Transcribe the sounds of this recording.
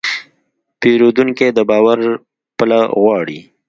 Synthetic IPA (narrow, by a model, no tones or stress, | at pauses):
peɾod̪uŋked̪əbɑːwaɾ | pəlaɣwɑːɽi